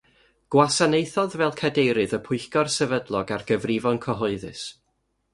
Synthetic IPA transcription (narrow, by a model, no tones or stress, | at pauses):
ɡ̥wasanejθɔðvɛlˠkʰadejɾɨðəpʰʊɨxɡɔrsɛvədlˠɔɡarɡəvrɪvɔnkʰɔɦɔɨðɨ̰s